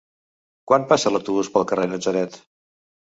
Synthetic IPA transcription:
kwanpasələwt̪uβuspəlˠkərenəd͡zəɾɛt̪

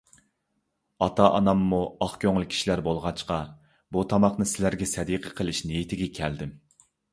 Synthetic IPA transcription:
ɑt̪ʰɑʔɑnɑmːuɑχkʲʰøŋlˠɪkʲʰi̥ʃilæɾbolˠʁɑt͡ʃqɑ | but̪ʰɑmɑχnɨsɪlæɾɡʲɛsɛd̪iqʰəqʰəlˠɪʃnejit̪ʰɪɡʲɛkʲʰɛld̪ɪm

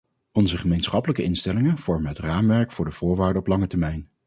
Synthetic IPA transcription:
ɔnzəχəmejnsχɑpələkəɪnstɛlɪŋənv̥ɔɹmənɦətraːmʋɛɹkfʊːɹdəv̥ʊːɹʋaːɹdəɔplɑŋətɛɹmɛjn

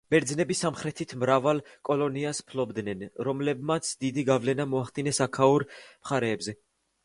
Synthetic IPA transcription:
b̥ɛɾd̪znɛbisamχɾɛt̪ʰit̪ʰmɾavalˠkʼɔlɔniaspʰlɔbd̪nɛnɾɔmlɛbmat̪sʰd̪id̪iɡavlɛnamɔaχd̪inɛsakʰauɾmχaɾɛːbzɛ

